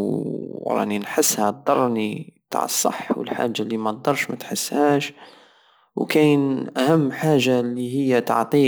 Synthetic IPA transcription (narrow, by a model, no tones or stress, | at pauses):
ɾˤɑ̰ʔninħəsːhæd̪ˤɑɾˤnit̪a̰ʕəsˤːɑ̰ħwə̰lħa̰ːʒːalːimæd̪ɑɾˤʃmæt̪ħəsːhæːʃ | wkænʔæhæmːħaːʒːalihəjːat̪ɑ̰ʕt̪ˤi